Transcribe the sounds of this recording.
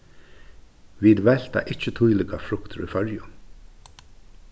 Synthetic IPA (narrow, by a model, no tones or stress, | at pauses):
ʋiːd̪ʋɛl̥t̪a̰ʔɪt͡ʃət̪ʰujlɪɡafɾʊkt̪əɾifœɹjʊ